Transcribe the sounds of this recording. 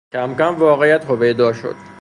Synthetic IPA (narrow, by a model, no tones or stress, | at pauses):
cʰæmcæmvɒːɣejæt̪hobejd̪ɒːʃo̰d̪̥